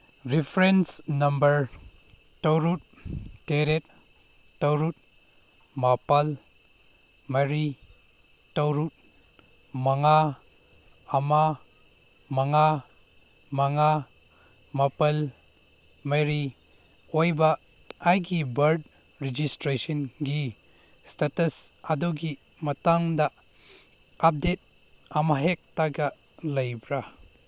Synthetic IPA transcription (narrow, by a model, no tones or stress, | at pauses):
ɾipʰɾensnɐmbɐɾ | tɐwɾut̚ːeɾet̚ː | ɐwɾut̚ | mapal | mɐɾi | tɐwɾut̚ | maŋa | ma | maŋa | maŋa | mapɐl | majɾi | ojba | ajɡibɐɾd | ɾid͡ʒistɾesɔnɡi | statɐsadoɡi | mɐtaŋda | ap̚det̚ | amaɦek̚taɡa | lɐjbɾa